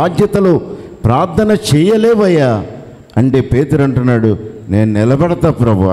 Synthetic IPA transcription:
d̪jɐt̪ɐloːpɾaːɾt̪ʰɐnɐt͡ʃɛːjɐleːʋɐja | ɐɳʈe̞ːpeːt̪uɾɐɳʈunːaːɽune̞ːnunilɐbɐɽɐt̪ɐpːɾɐbṵ

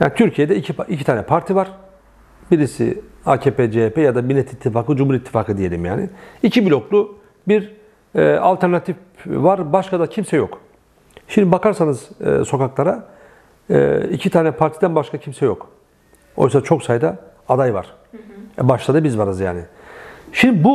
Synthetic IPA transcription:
ja̰ːnit̪ʰyɾcʰijed̪ɛicʰipicʰi̥t̪ʰaːnɛpʰaɾt̪ʰivaɾ̥ | biɾisḭaːcʰeːped͡ʒeepʰɛjad̪abilʲet̪ʰit̪ʰːifaːkɯd͡ʒumhuɾijit̪ʰːi̥faːkʰɯd̪ije̞lʲḭmja̰ːnɪicʰibilʲo̞klˠu | biɾ | ɛa̰lʲt̪ʰɛɾnat̪ʰif | vaɾbaʃkʰad̪acʰimsɛjok | ʃimd̪ibakʰaɾsanɯz̰so̞kaklˠaɾa̰ | ḭcʰit̪ʰaːnɛpʰaɾt̪ʰid̪ænbaʃkʰacʰimsɛjok | o̞̰jsat͡ʃʰo̞ksajd̪a | ad̪ajva̰ɾ̥ | ɛbaʃlˠad̪ɯbizvaɾɯzja̰ːnɪ | ʃimd̪ibu

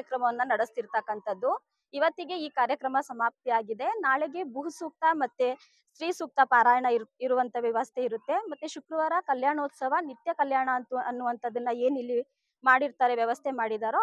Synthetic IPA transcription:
jɐkɾɐmɐʋɐnːɐnɐɽist̪iɾt̪ɐkːɐnt̪ɐd̪ːu | iʋɐt̪ːiɡe̞iːkaːɾjɐkɾɐmɐsɐmaːp̚t̪iaːɡid̪e̞naːɭeɡe̞buɦusuːk̚t̪ɐmɐt̪ːe | sɾiːsuːk̚t̪ɐpaːɾaːjɐɳɐiɾuʋɐnt̪ʰɐʋjɐʋɐst̪ʰe̞iɾut̪ːe̞mɐt̪ːeʃukɾɐʋaːɾɐkɐljaːɳoːt̪sɐʋɐnit̪jɐkɐljaːɳɐnt̪ɐnːuʋɐnt̪ʰɐd̪ːɐnːɐeːnilːi | maːɽiɾt̪aːɾeʋjɐʋɐst̪ʰe̞maːɽid̪aːɾo

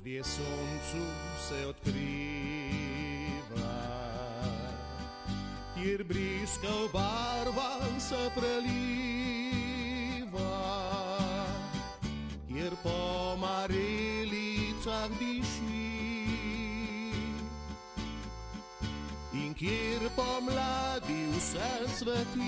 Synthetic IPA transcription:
ɾjesont͡susɛwt̪kɾi | va | keɾbɾiskəwbaɾbansəpɾəli | va | keɾpɔmaɾelit͡sakd̪iʃi | iŋkeɾpɔmlad̪iwsɛsʋət̪i

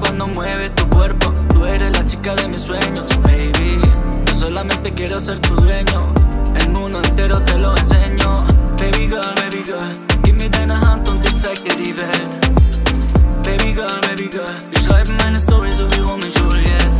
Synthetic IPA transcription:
kwand̪omweβest̪ukweɾpot̪ueɾeslat͡ʃi̥kaðemisːweɲospeβid͡ʒos̬olamẽnt̪ekjeɾoseɾt̪uðɾeɲoelmũnd̪oent̪eɾot̪eloenseɲopeβiɣaβeβiɣa | kemiðenaɦant̪ont̪isajkeðiðet̪ | peβiɣabeβiɣa | iʃajmenest̪oβɾiz̬uβiβomiʃuljet̪

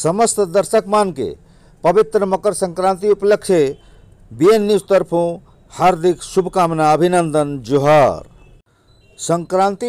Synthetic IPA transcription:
səməst̪d̪əɾsəkmankḛ | pəbit̪ɾəməkəɾsə̃ŋkɾãnt̪iuplək̚t͡ʃʰe | bienːist̪əɾpʰũ | haɾd̪ʱiksubʱkamnaəbʱinənd̪ənd͡ʒuɦaɾ | səŋkɾãnt̪i

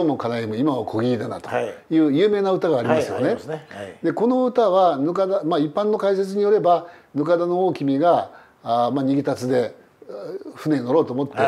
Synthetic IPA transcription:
omokanajemɯ̟imaβakʰo̞ɡʲiid̪ana̰t̪o̥jɯ̟ːjɯ̟ːme̞ːnaɯ̟t̪aɡaːɾʲimasɨjo̞̰ne̞d̪e̞ko̞no̞ɯ̟t̪aβanɯ̟kad̪amaipːãnːo̞kaise̞t͡sɨɲ̟ijo̞ɾe̞banɯ̟kad̪anooːkʲimʲiɡa | maɲ̟iɡʲit̪at͡sɨd̪e̞ | ɸɯ̟ne̞ɲno̞ɾo̞ːt̪oːmot̪ːe̞

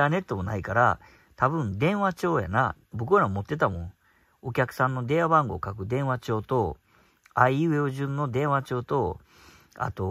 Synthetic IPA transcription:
aːne̞t̪ːo̞mo̞naikaɾa̰ | t̪abɯ̟̃nd̪ẽ̞ɰ̃βat͡ɕo̞ːja̰na | bo̞kɯ̟ɾamo̞t̪ːe̞t̪amõ̞ŋ | o̞kʲakɯ̟̥sãnːo̞d̪e̞ːβabãŋɡo̞ːkakɯ̟d̪ẽ̞ɰ̃at͡ɕo̞ːt̪o̞ | aieoʑɨ̃nːo̞d̪ẽ̞ɰ̃βat͡ɕo̞ːt̪o̞ | a̰t̪o̞

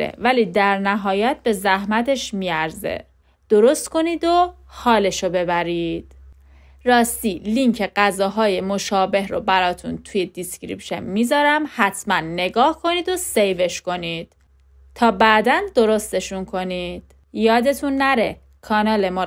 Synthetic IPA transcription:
ḛvæliːd̪æɾnæɦɒːjæt̪̚be̞zæhmæt̪ʰe̞ʃmiːæɾzḛ | d̪̥o̞ɾo̞st̪ko̞niːd̪o | hɒːle̞ʃobe̞bæɾiːd̪̥ | ɾɒːst̪iːliŋcʰe̞ɡæzɒːɦɒːje̞mo̞ʃɒːbe̞ɦɾo̰bæɾɒːt̪ʰṵnt̪ʰuje̞d̪iscɾḭpʃḛnmiːzɒːɾæmhæt̪ʰmænːe̞ɡɒːhkʰo̞niːd̪o̞se̞jve̞ʃko̞niːd̪̥̚ | t̪ʰɒːbæd̪ænd̪o̞ɾo̞st̪e̞ʃunkʰo̞niːd̪̥ | jɒːd̪e̞t̪ʰunːæɾe̞ | kʰɒːnɒːlemɒː

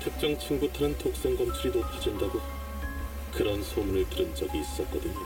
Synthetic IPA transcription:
tʰek̚t͡ɕ͈ʌŋt͡ɕʰɯŋbutʰɯnɯntʰok̚s͈e̞ŋɡʌmt͡ɕʰuɾinopʰad͡ʑindaɡo | kɯɾʌnsʰomunɯɭtɯɾɯnd͡ʑʌɡiːs͈ʌt̚k̚k͈ʌdɯɲo

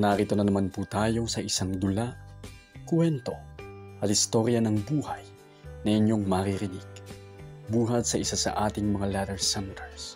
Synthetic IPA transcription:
naɾit̪onɐnɐmanput̪aːjo̞sɐʔɪsaŋd̪ʊla | kwɛnt̪oʔɐt̪̚hɪst̪o̞ɾjɐnɐŋbuːhɐj | nɐɪɲjoŋmaɾiɾɪnɪɡ̥ | buːɦɐt̪̚sɐʔɪsasɐ̰ʔaːt̪ɪŋmɐŋalat̪ɛɹsɛnt̪ɛɹs

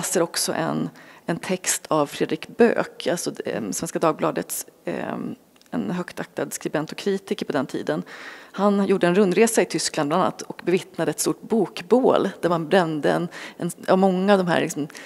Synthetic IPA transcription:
səɾɔksɔ̰ʔɛ̰nɛnt̪ʰɛkst̪ʰavfɾeːd̪ɾɪkbø̰ːkʰalt̪sɔsvɛnskad̪ɑːɡ̚blɑːd̪ət̪s | ɛ̰nɦœkt̪ʰak̚t̪ad̪skɾɪbɛnt̪ɔ̥kʰːɾiːt̪ɪkəɾpʰɔd̪ɛnt̪ʰḭːd̪ənhanjuːɖəɛnɾɵnd̪ɾeːsaɪt̪ʰʏsklanblanana̰t̪ːʰɔkbɛvɪt̪nad̪əɛt̪st̪uʈ̚buːkbo̰ːld̪̥æɾmanbɾɛmd̪əɛnɛna̰vmɔŋːaavd̪ɔmɦæ̰ːɾlɪksɔm

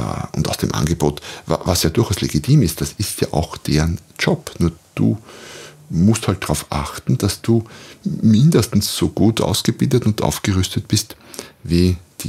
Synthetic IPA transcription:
ʔʊ̰nta̰ʊsd̥eːmʔa̰nɡəboːtva̰vasjaːdʊɐxaʊsleɡitʰiːmɪst̚d̥asɪstja̰ːʔa̰ʊxd̥eːɐn | d͡ʒɔpnuːɐd̥ṵː | mʊsthalt̚d̥ʁaʊfʔa̰xtn̩d̥asd̥uːmɪndəstn̩sz̥oːɡ̥uːtʰʔa̰ʊsɡ̥əb̥ɪldətʊntʔa̰ʊfɡ̥əʁʏstət̚b̥ɪstviːd̥i

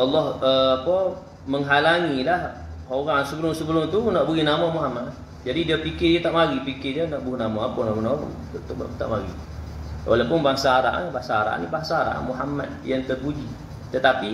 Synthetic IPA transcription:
ɑlːɔhəapə | məŋɦalaŋilahoɣaŋsəbəlʊŋsəbəlʊŋt̪unaʔbəɣinamɔmuɦamat̚ | d͡ʒadidiapikɪjat̪aʔmaɣipikɪrjanaʔbunamɔ̃apənaʔəna̰ŋ | ut̪ʔt̪a̰ʔmaɣḭ | wʔa̰lawpʊnbaŋsaːɾa̰ʔa̰nbaŋsaaɾa̰ʔnibaŋsaɾa̰ʔa̰muɦamat̪̚jaŋt̪ərbud͡ʒi | t̪ət̪api

